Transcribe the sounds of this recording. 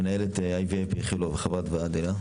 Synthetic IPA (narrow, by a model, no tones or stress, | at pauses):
enaelet̪eajviepχiloveχavad̪vead̪ila